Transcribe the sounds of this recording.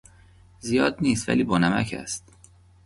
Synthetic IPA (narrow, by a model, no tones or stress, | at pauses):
zijɒːd̪niːst̪væ̰liːbɒːnæmæcʰæ̰st̪